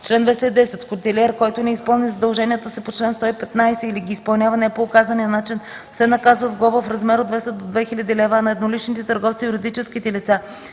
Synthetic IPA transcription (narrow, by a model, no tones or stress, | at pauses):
t͡ʃlɛnd̪vɛst̪ɛid̪ɛsɛt̪kot̪ɛlʲɛɾkɔjt̪onɛispɤlˠnizɐd̪ɐlˠʒɛnijət̪əsɛpot͡ʃlɛnst̪ɔipɛt̪najsɛiliɡʲiːspəlˠnʲjavɐnɛpoːkazənijənat͡ʃin | fsɛnɐkazvəzɡlˠɔvəfɾɐzmɛɾod̪vɛst̪əd̪od̪vɛxilʲɐd̪ilɛvanɐɛd̪nolit͡ʃnit̪ɛt̪əɾɡɔft̪sijuɾid̪it͡ʃɛskit̪ɛlit̪sa